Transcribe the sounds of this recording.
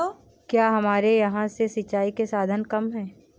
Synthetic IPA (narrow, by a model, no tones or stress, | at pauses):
kjaːɦɐmaːɾejɐɦãsesɐt͡ʃːaːikesaːd̪ʱənkɐmɦɛ̃ː